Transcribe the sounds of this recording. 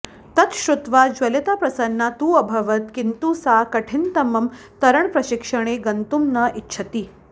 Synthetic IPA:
t̪ɐt̪ʃɾut̪ʋad͡ʒʋɐlit̪apɾɐsɐnːat̪uːɐbʱɐʋɐt̪kint̪uːsakɐʈʰint̪ɐmɐm | t̪ɐɾəɳpɾɐɕikʂɐɽ̃eɡɐnt̪umnɐʔitːɕʰɐt̪iː

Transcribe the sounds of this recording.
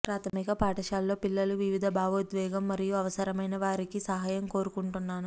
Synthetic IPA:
pɾaːt̪ʰɐmiɡapaːʈɐʃaːlːo̞ːpilːɐluʋiʋid̪ʱɐbʱaːʋod̪ʋɛːɡɐmːɐɾijuɐʋɐsɐɾɐmɐjnɐʋaːɾikisɐɦaːjɐmko̞ːɾukuɳʈunːaːnu

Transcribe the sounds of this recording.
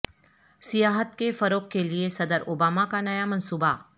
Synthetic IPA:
sɪjaːɦət̪kefɐɾoːkkːeliesɐd̪əɾoːbaːmakanɐjamɐ̃nsuːba

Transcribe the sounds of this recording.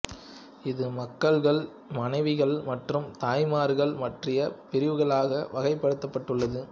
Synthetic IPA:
ɪðɯmɐkːɐɭɣɐɭ | mɐnɐɪʋɪɣɐɭmɐʈrɯmt̪aːjmaːɾɣɐɭmɐʈrɪjɐpɪɾɪʋɯɣɐɭaːɣɐʋɐɣɐɪpːɐɽɯt̪ːɐpːɐʈːɯɭːɐðɯ

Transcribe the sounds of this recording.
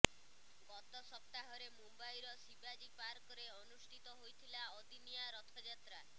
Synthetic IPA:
ɡɔt̪ɔsɔp̚t̪aɦɔɾemumbajɾɔsibad͡ʒipaɾkɔɾeɔnusʈʰit̪ɔɦojt̪ʰilaɔd̪inijaɾɔt̪ʰɔd͡ʒat̪ɾa

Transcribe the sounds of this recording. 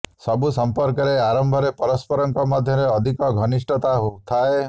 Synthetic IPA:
sɔbusɔmpɔɾkɔɾeaɾɔmbʱɔɾepɔɾɔspɔɾɔŋkɔmɔd̪ʱjɔɾeɔd̪ʱikɔɡʱɔnisʈɔt̪aɦout̪ʰae

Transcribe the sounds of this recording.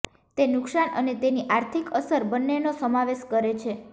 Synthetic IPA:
t̪enʊksanənet̪eniʔaɾt̪ʰikəsəɾbənːenosəmaʋeʃkəɾet͡ʃʰe

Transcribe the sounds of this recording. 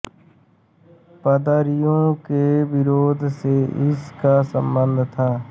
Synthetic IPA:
pəd̪əɾijõkeʋɪɾoːd̪ʱseɪskasə̃mbə̃nd̪ʱt̪ʰaː

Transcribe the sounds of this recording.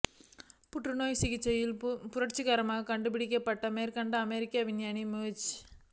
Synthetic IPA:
puʈːɾunoːjsiɡit͡ʃejilpuɾɐʈt͡ʃiɡɐɾɐmakɐɳɖubiɽikeːpːɐʈːɐmeːɾkɐɳɖɐɐmeːɾikaʋinjaːnimeːt͡ʃ

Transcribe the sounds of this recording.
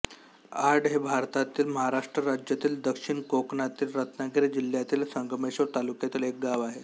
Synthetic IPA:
aɾɖɦebʱaɾt̪at̪iːlməɦaɾaʂʈɾəɾad͡ʑjat̪iːld̪əkʂiɳkokɳat̪iːlɾət̪naɡiɾid͡ʑil̤jat̪iːlsəŋɡmeɕot̪alukjat̪iːlek̚ɡaʋaɦe

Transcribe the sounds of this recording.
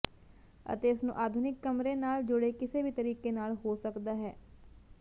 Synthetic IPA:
ə̰t̪eːɪsnṵ̃ːʔaːd̪ʱʊnɪkːəmɾeːnaːld͡ʒʊɽeːkɪseːʋiːt̪əɾiːkeːnaːlɦoːsəkd̪aːɦɛː

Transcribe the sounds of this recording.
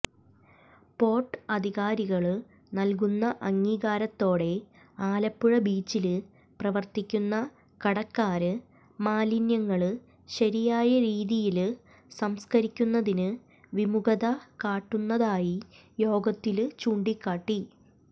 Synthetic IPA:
po̞ːrʈɐd̪ʱiɣaːɾiɣɐɭ | nɐlk̬unːɐʔɐŋːiːɣaːɾɐt̪ːo̞ːɽe̞ | aːlɐpːuɻɐbiːt͡ɕːilɨ | prɐʋɐrt̪ikʲːunːɐ | kɐɽɐkːaːɾɨ | maːlinjɐŋːɐɭɨ | ɕɐɾijaːjɐɾiːðijil | sɐmskɐɾikʲːunːɐðinɨ | ʋimuɣɐðɐkaːʈːunːɐðaːji | jo̞ːɡɐt̪ːilt͡ɕuːɳɖikːaːʈːi

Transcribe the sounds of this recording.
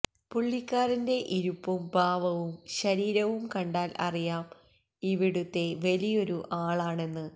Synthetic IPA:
puɭːikːaːɾinde̞ʔiɾupːumbʱaːʋɐʋumɕɐɾiːɾɐʋumkɐɳɖaːlʔɐ̰rijaːm | iʋiɽut̪ːe̞ʋɐlijo̞ɾuʔaːɭaːɳe̞nːɨ

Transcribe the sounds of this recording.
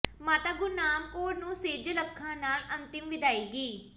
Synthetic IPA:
maːt̪aːɡʊɾnaːmkoːɾnũːseːd͡ʒələkʰːãːnaːlənt̪ɪmʋɪd̪aːiːɡiː

